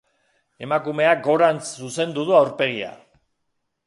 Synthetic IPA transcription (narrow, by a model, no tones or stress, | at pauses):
e̞makume̞aɡo̞ɾansuse̞nd̪uðuawɾpe̞ɣ̞ia̰